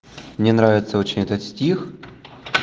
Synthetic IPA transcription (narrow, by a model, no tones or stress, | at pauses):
mnʲɛnɾavʲɪt̪səot͡ɕɪnʲɛt̪ət̪sʲtʲix